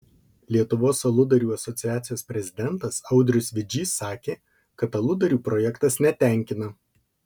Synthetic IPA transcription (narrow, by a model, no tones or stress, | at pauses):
lʲiɛt̪ʊʋoːsɐlˠʊd̪ɐɾʲuːɐsɔt̪sʲɪjæːt̪sʲɪjoːsʲpʲɾʲɛzʲɪd̪ʲɛnˑt̪ɐsɐʊd̪ʲɾʲʊsʋʲɪd͡ʒʲiːsɑːkʲeː | kɐt̪ɐlˠʊd̪ɐɾʲuːpɾɔjɛkt̪ɐsnʲɛt̪ʲæˑŋʲkʲɪnɐ